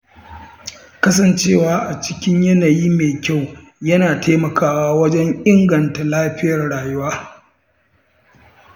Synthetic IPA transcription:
kɐ˦s̬ɐ˨nt͡ʃeː˦˨waː˨˦ʔa˨t͡ʃɪ̥˦kʲɪ˦ɲjɐ˦naː˨jiː˦meː˨kʲa˦˨w | jɐ˦naː˨tʰeː˦mɐ˨kʰaː˨waː˦wɐ˦d͡ʒɛ˦ŋʔɪ˦ŋɡɐ˨nta˨laː˦ɸɪ˦jɐ˨rɽaː˨jʊ˦waː˦

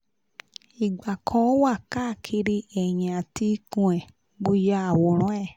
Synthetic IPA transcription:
i˨ɡ͡ba˨kʰɔ̃˧˦wa˦˨ka˦˨kʰi˧ɾi˧ɛ˨ɲ̃˨a˨ti˧kũ˧ɛ̃˨ | ɡ͡bo˧ja˧a˨wo˨ɾ̃ɔ̃˨˦ɛ˦˨

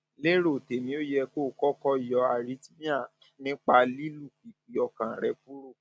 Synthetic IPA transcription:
le˦ɾo˦˨te˨mĩ˧˦o˦jɛ˧ko˦˨kɔ˦kɔ˧i˨jɔ˧˦a˨ɾi˨˦ti˦mĩ˦ã˦˨ | nĩ˦k͡pa˧li˦lu˦˨ki˨ki˨ɔ˨kã˨ɾɛ˨fu˦ɾo˦˨

